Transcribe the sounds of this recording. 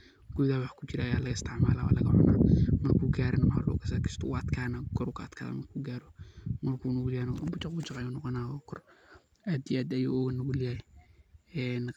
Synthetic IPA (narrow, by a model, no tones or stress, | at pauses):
ɡ̥ʊðaːwɑħkʰʊt͡ʃɪɾɐːjaːlɐɣɐɪst̪ʰɪʕmaːlawa̰lɐɣɐʕɔ̰na̰ːmɐrkʰuːɡaːɾɐnɐmʕa̰lɔ̰ːkʰɐsɐkʰɪ̥st̪ʰɔʊɐd̪kʰaːnaɡɔɾukʰɐd̪kʰa̰ːða̰mɐrkʰuːɡaːɾɔmɐrkʰuːnʊɡuljaːnɔbʊt͡ʃɑqbʊt͡ʃɑqajunɔqɔnaːɔkʰɔr | aːd̪ijʔaːd̪ɐjṵːɔːɣɐnːɐɣuljaːj | ɛːn